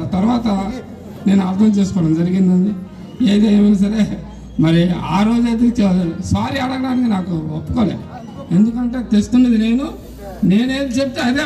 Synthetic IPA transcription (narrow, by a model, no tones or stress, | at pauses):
t̪ɐɾuʋaːt̪ɐ | ne̞ːnuaːɾt̪ʰɐmt͡ʃe̞ːs̬u̥kɔːɽɐmd͡ʒɐɾiɡind̪ɐnɖi | eːd̪ɐjmɐnɐs̬ɐɾe̞ː | mɐɾia̰ːɾoːd͡ʒaːt̪̬it͡ʃesaːɾiɐɽɐɡɐɽaːnikinaːkuopːukoːlḛːd̪u | e̞nd̪ukɐɳʈe̞ːt̪est̪unːɐd̪ine̞ːnu | ne̞ːne̞ːd̪ut͡ʃep̬̚t̪eɐd̪eː